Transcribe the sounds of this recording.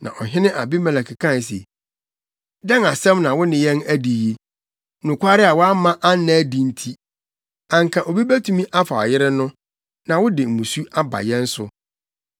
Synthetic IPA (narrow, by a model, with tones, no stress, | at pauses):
nã̰˨ʔɔ˨ɦɪ̃˦nɪ̃˦ʔa˨bi˦mɛ̃˨lɛ˨kʰɪ˨kʰã˦n˨s̬e˨ | dɛ˦na˨sɛ̃˦mnã˨wʊ˦nɪ̃˨jɛ̃˦næ˦di˨je˦˨ | nʊ̃˨kʷʰa˦ɾɪ˦a˨wɔ˦a˦mã˦ʔa˦n˦nã˦dĩ˨n̩˦tʰi˦ | ã˨ŋ̩kʰã˨ʔo˨bi˦bæ˦tʰũ˦mĩ˦ʔa˦fa˨ɔ̰˨jɪ˦ɾɪ˦nʊ̃˦ | nã˨wʊ˦dɪ˨m̩˨mũ˨su˦ʔa˦ba̰˨jɛ̃˦n̩˦sʊ˨